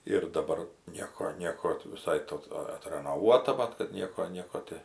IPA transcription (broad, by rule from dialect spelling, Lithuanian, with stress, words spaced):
ɪr dɐˈbɐr ˈnʲiɛkoː ˈnʲiɛkoː tʲɪ ʋʲɪˈsɐɪ ˈtoː ˈɐ ɐtrɐnoːˈʋuɔtɐ ˈmɐt kɐt ˈnʲiɛkoː ˈnʲiɛkoː tʲɪ